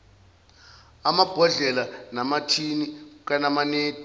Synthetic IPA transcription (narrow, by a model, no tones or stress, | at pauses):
amab̥ʱɔɮɛlanamatʰinik̬anamaneːd̥ʱ